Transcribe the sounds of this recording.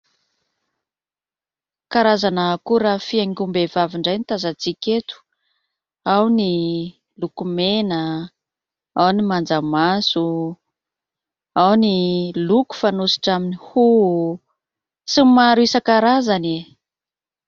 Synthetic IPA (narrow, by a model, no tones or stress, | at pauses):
kaɾazanəkuɾafiaŋɡʲumbevaviɳɖ͡ʐajnit̪azat͡sikʲet̪u̥ | awni | lukumenə | awnimand͡zamasu | awniluku̥fanusi̥ʈ͡ʂaminihu | simaɾuisəkaɾazane